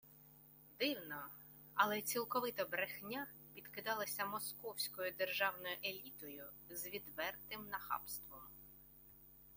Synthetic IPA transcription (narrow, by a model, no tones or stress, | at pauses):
d̪ɪwnɔ | ɐlˠɛt͡sʲilˠkɔʋɪt̪ɐbɾexnʲa | pʲid̪kɪd̪ɑlˠɐsʲɐmɔskɔwsʲkɔjʊd̪erʒɑwnɔjʊʔelʲit̪ɔjʊ | zʋʲid̪ʋɛrt̪ɪmnɐxɑ̰pst̪ʋɔm